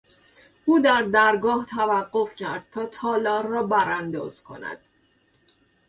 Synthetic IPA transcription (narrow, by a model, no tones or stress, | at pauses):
ʔuːd̪æɾd̪æɾɡɒːht̪ʰævæɢːo̞fcʰæɾd̪̥̚t̪ʰɒːt̪ʰɒːlɒːɾːɒːbæɾænd̪ɒ̰ːz̥kʰo̞̰næ̰d̪̥